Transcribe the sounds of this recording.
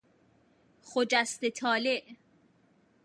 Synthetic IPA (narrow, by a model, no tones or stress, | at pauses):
χod͡ʒæst̪et̪ʰɒːleʔ